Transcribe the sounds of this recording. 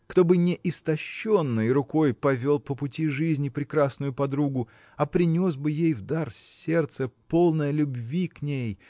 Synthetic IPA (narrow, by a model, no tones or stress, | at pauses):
kt̪o̞bɨnʲɪʔɪst̪ɐɕːo̞nːɨjɾʊko̞jpɐvʲo̞lˠpəpʊtʲiʐɨzʲnʲɪpɾʲɪkɾasnʊjʊpɐd̪ɾuɡʊ | ɐpɾʲɪnʲo̞sbɨjejvd̪arsʲːe̞rt̪səpo̞lˠnəjəlʲʊbvʲiknʲej